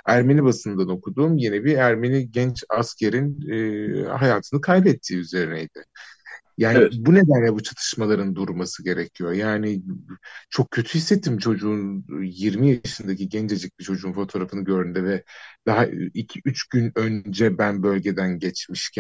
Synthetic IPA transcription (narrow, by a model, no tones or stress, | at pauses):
æɾme̞nibasɯnd̪ano̞kud̪uːmje̞nibiæɾme̞niɟɛnt͡ʃascʰeɾinː | ɦajaːt̪ʰɯnɯkʰajbɛt̪ʰːiːyze̞ɾinɛjd̪ɪ | jaːnbune̞d̪ænlʲɛbut͡ʃʰat̪ʰɯ̥ʃmalˠaɾɯnd̪uɾmasɯɟe̞ɾɛcʰijo̞jaːnɪ | t͡ʃʰo̞k̚cʰːø̞t̪ʰyhisːe̞t̪ʰːimt͡ʃʰo̞d͡ʒuunjiɾmijaʃɯnd̪acʰiɟɛnt͡ʃed͡ʒɛc̚bit͡ʃʰo̞d͡ʒuːnfo̞t̪ʰo̞ːɾafɯnɯɟø̞ɾynd̪ɛvɛd̪̥aɦaicʰiʔyt͡ʃɟ̥ynø̞nd͡ʒɛbænbø̞lʲɟe̞d̪ænɟɛt͡ʃmiʃcʰæn